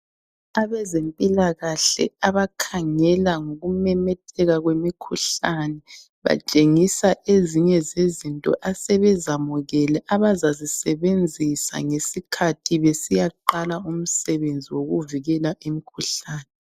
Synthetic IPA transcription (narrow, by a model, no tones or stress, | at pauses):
aβɛzempʼilaɣaɬɛ̰aβakʰaŋɛlaŋoɣumɛmɛtʰɛɣaɣwemikʰuɬanɛ | βa̰t͡ʃʼeŋisaʔeziɲɛzezintʼɔ̰ʔasɛβɛzamuɣɛlɛʔaβazazisɛβend͡zʱisa̰ŋesikʰatʰiβesijaǃalaum̩sɛβend͡zʱiwoɣuviɣɛlaʔemikʰuɬaːnɛ